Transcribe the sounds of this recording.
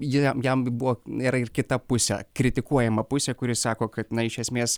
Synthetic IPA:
jɪɛmjɛmbʊʋoːiːɾɐɪrkʲɪt̪ɐpʊsʲɛ̰kɾʲɪt̪ʲɪkuɔjɛmɐpʊsʲɛkʊɾʲɪsɑːkoːkɐt̪nɐɪʃʲɛsʲmʲeːs

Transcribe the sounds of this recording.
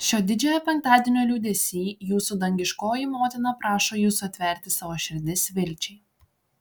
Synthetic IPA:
ʃʲoːd̪ʲɪd͡ʒʲɛːjoːpʲɛŋkt̪ɑːd̪ʲiɛnʲoːlʲuːd̪ʲɛsʲiːjuːsud̪ɐŋʲɡʲɪʃkoːjɪmoːt̪ʲɪnɐpɾʔɑːʃoːjuːsuɐt̪ʲʋʲɛɾʲt̪ʲɪsɑʋoːʃʲɪɾʲd̪ʲɪsʋʲɪlʲt͡ʃʲɛɪ

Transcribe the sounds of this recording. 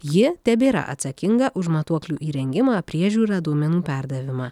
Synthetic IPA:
jɪt̪ʲɛbʲeːɾɐ̰ʔɐ̰t̪sɐkʲɪŋɡɐʔʊʃmɐt̪uɔklʲuːʔiːɾʲɛŋʲɡʲɪmɑːpʲɾʲiɛʒʲuːɾɑːd̪uɔmʲɛnuːpʲæˑɾd̪ɐʋʲɪmɑː

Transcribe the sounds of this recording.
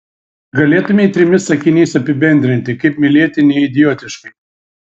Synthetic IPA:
ɡɐlʲeːt̪ʊmʲeɪt̪ʲɾʲɪmʲɪsɐkʲɪnʲiːsɐpʲɪbʲɛnʲd̪ʲɾʲɪnʲt̪ʲɪkɐɪpmʲɪlʲeɛt̪ʲɪnʲɛɪɪd̪ʲɪjoːt̪ʲɪʃkɐɪ

